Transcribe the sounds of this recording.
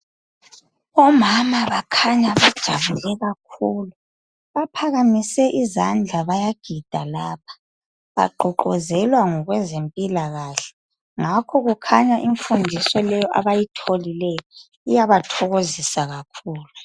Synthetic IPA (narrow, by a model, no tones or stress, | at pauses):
βɔmamaβakʰaɲaβad̥ʒ̥ʱaβulɛɣak̚ʰuːlu | βapʰaɣamisɛʔizand͡ɮʱaβajaɡ̥ʱid̥ʱalaːp̚ʰḁ | βa̰ɡ͡ǃʱɔǃɔzɛlwaŋɔɣwɛzempʼilaɣaɬɛ̥ | ŋakʰɔɣukʰaɲaʔiɱfundʱisɔlɛjɔʔa̰βajitʰolilɛjɔ | ijaβatʰɔɣozisaɣakʰuːlu